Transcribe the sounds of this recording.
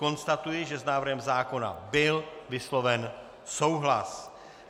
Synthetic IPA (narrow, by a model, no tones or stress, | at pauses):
o̞nst̪at̪ujɪʒɛznaːvrɦɛmzaːko̞na̰bɪlvɪslo̞vɛn | so̞wɦlas